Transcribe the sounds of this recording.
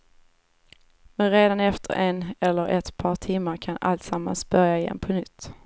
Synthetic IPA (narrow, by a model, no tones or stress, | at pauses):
mɛnɾeːd̪anɛft̪ʰə̰ɾʔenɛlːəɾʔɛt̪pʰɑːʈʰɪmːaɾkʰana̰lt̪samːa̰nsb̥œɾjaɪjɛ̰ːnpʰɔnʏt̪ː